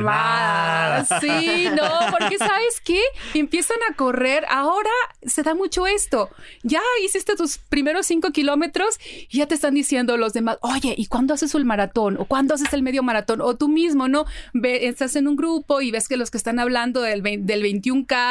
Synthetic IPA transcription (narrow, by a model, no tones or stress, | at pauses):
βa | sinopo̞ɾke̞saβe̞ske̞ːmpje̞sanako̞re̞ɾa̰o̞ɾase̞ðamut͡ʃo̞e̞st̪o̞ | ʝaisist̪e̞t̪uspɾime̞ɾo̞sːiŋko̞kilo̞me̞t̪ɾo̞siʝat̪est̪and̪isje̞nd̪o̞lo̞zðe̞maso̞ʝe̞ʔikwand̪o̞ase̞sulmaɾat̪o̞no̞̰kwand̪o̞as̬e̞se̞lme̞ðjomaɾat̪o̞no̞t̪umizmo̞no̞beenst̪ase̞nũŋɡɾupo̞iβe̞ske̞lo̞skest̪anaβland̪o̞ðeβed̪e̞lβejnt̪juŋka